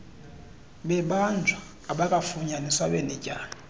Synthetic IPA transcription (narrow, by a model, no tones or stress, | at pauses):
ɓɛɓand͡ʒʱaːɓakʼafuɲaniswaɓɛnɛcʼaːni